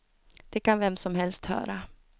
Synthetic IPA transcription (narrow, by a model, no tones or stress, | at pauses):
d̪̥ɛkanvɛmsɔmɦɛlst̪hœ̰ːɾa